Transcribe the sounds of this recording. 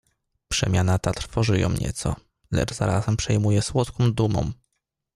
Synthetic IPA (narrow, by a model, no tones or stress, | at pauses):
pʂɛ̰mʲjanat̪at̪ɾ̥fɔʐɘjɔ̰̃w̃ɲɛ̰t̪sɔ̰ | lɛ̰d͡ʐz̥a̰ɾazɛmpʂɛjmujɛswɔt̪kɔ̃w̃d̪umɔ̰̃m